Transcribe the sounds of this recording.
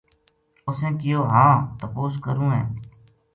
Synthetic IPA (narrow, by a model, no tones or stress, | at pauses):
ʊsẽːkɪjoːɦãːt̪əpoːskəɾũːɦɛ̰̃ː